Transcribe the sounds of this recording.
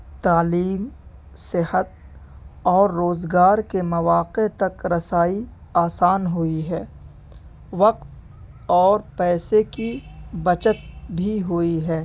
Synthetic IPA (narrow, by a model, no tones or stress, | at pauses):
t̪aːliːm | sɪhət̪̚ | ɔːɾːoːzɡaːɾkemɐʋaːqet̪ɐkɾɐsaːiaːsaːnɦʊiɦɛː | ʋɐqt̪̚ | ɔːɾpɛːsekibɐt͡ʃət̪̚bʱiɦʊiɦɛː